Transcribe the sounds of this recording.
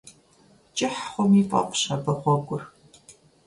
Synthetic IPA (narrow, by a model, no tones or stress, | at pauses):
t͡ʃʼɪħχʷʊmifʼɐ̰qʷʼɕɐbɐχʷɔɡʷʼʊr